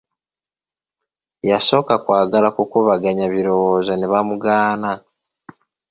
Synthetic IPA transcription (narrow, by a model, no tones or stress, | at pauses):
jaso̞ːkakwaːɡalakukuβaɡaɲaβiɾo̞wozaneβamuɡaːna